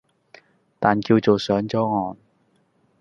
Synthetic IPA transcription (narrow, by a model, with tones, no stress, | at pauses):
t̪aː˨˩nkiː˧wt͡so˨wsœː˨˥ŋt͡sɔː˨˥ŋɔː˨n